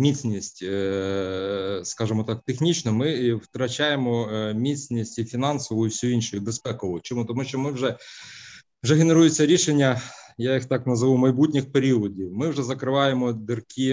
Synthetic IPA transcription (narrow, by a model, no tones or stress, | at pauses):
mʲit͡sʲnʲisʲtʲ | skɑʒɪmɔt̪ɑk̚t̪exnʲit͡ʃnɔmɪwt̪ɾɐt͡ʃɑjemɔmʲit͡sʲnʲisʲtʲifʲinɑnsɔʋɔjʊwsʲuinʃɔjʊbespɛkɔʊt͡ʃɔmut̪ɔmuʃt͡ʃɔmɪwʒɛ | wʒɛɦene̞ɾujet͡sʲːɐɾʲiʃenʲːɐjajixt̪ɑknɐzɐʋumɐjbutʲnʲɪxpeɾʲiɔdʲiwmɪwʒɛzɐkɾɪʋɑjemɔd̪ɪrkʲi